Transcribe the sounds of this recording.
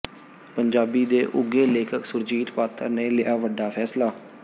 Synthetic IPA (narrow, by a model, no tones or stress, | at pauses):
pəɲd͡ʒaːbiːd̪eːʔʊɡeːleːkʰəksʊɾd͡ʒiːt̪paːt̪ʰəɾneːlɪʔaːʋəɖaːpʰɛːslaː